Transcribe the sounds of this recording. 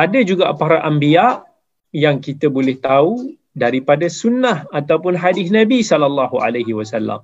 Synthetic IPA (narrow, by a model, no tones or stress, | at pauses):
ʔadad͡ʒuɡa̰ʔpaɾaʔambiaʔ | jaŋkit̪abolɛht̪au | daɾipadasunːahat̪awpʊnɦadɪsnabisɔlalːaɦua̰laɦiwasalːa̰m